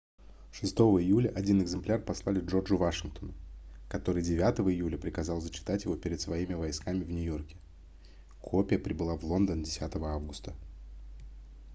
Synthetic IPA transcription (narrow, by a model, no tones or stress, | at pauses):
ʂɨst̪o̞vəɪjulʲəʔɐdʲinɨɡzɨmplʲarpɐslˠalʲɪʐo̞rd͡ʐʊvaʂɨnk̚t̪onʊkɐt̪o̞ɾɨjdʲɪvʲat̪əvəɪjulʲəpɾʲɪkɐzɑlˠzət͡ɕːɪ̥t̪atʲjɪvo̞pʲɪɾʲɪt̪svɐimʲɪvɐjskamʲɪvnʲʊjo̞rkʲɪ̥ | kʰo̞pʲɪjəpɾʲɪbɨlˠavlˠo̞nd̪əndʲɪsʲat̪əvəavɡʊst̪ə